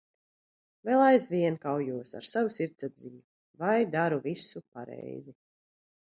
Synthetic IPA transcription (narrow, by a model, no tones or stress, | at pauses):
vɛːlˠajzviɛnkawjuɔsa̰ɾsavusiɾt̪sabziɲu | vajd̪aɾuvisupaɾɛ̰jzi